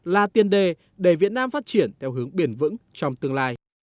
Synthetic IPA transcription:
laː˨˩t̪i˨˩ənɗe˨˩ | ɗe˧˩vi˨˩ət̚naː˧mfaː˦˥t̚t͡ɕi˧˩ənt̪ʰɛ˧wɦɨ˨˦əŋɓi˧˩ənvɨ̰˧˥ŋt͡ɕɔ˧wŋ͡mt̪ɨ˧əŋlaː˧j

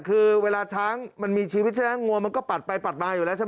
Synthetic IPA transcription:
kʰɯː˧weː˧laː˧t͡ɕʰaː˦˥ŋma˧nmiː˧t͡ɕʰiː˧wi˦˥t̪̚t͡ɕʰaː˥˩a˦˥ŋu˧əma˧nkɔː˥˩pa˨˩t̪̚pa˧jpa˨˩t̪̚maː˧juː˨˩lɛː˦˥wt͡ɕʰa˥˩

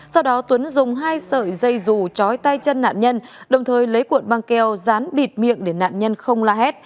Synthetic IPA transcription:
sa˧wɗɔ˨˦t̪wə˨˦nzʊ˨˩ŋ͡mɦaː˧jsəː˧˨˩jzə˧˩jzu˨˩t͡ɕɔ˨˦jt̪a˧jt͡ɕə˧nːa̰ː˧˨nɲə˧nɗə˨˩wŋ͡mt̪ʰəː˨˩jlə˨˦jkwu˨˩ən̚ɓaː˧ŋkɛ˧wzaː˨˦nɓi˨˩t̚mḭ˧˨əŋɗe˧˩na̰ː˧˨nɲə˧nxə˧wŋ͡mlaː˧hɛ˦˥t̚

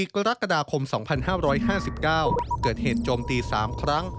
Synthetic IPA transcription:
iː˨˩kɾa˦˥kːa˧daː˧kʰo˧msɔ˩˦ŋpʰa˧nhaː˥˩ɾɔː˦˥jɦaː˥˩si˨˩p̚kaː˥˩wkɤː˨˩t̪̚heː˨˩t̪̚t͡ɕoː˧mt̪iː˧saː˩˦mkʰɾa˦˥ŋ

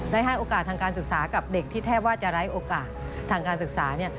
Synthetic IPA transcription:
da˥˩jɦa˥˩jʔoː˧kaː˨˩t̪ʰːaː˧ŋkaː˧nsɯ˨˩k̚saː˩˦ka˨˩p̚de˨˩k̚t̪ʰiː˥˩t̪ʰɛː˥˩p̚waː˥˩t͡ɕa˨˩ɾa˦˥jʔoː˧kaː˨˩t̪̚ʰːaː˧ŋkaː˧nsɯ˨˩k̚saː˩˦ni˥˩ɐ

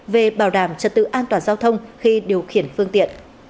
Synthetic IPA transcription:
ve˨˩ɓaː˧˩wɗaː˧˩mt͡ɕə˨˩t̚t̪ɨ̰˧˨ʔaː˧nt̪waː˨˩nzaː˧wt̪ʰə˧wŋ͡mxi˧ɗi˨˩əwxi˧˩ənfɨ˧əŋt̪ḭ˧˨ən

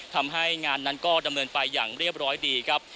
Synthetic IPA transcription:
t̪ʰa˧mɦa˥˩jŋaː˧nːa˦˥nkɔː˥˩da˧mnɤː˧npa˧jːa̰ː˨˩ŋɾi˥˩əp̚ɾɔː˦˥jdiː˧kʰɾa˦˥p̚

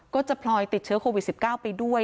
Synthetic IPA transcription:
kɔː˥˩t͡ɕa˨˩pʰlɔː˧jt̪i˨˩t͡ɕʰɯː˦˥kʰoː˧wi˨˩t̪̚si˨˩p̚kaː˥˩wpa˧jdu˥˩əj

